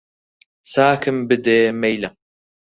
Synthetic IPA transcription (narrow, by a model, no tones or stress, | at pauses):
t͡saːkʰɨmbɨd̪eːmejlɐ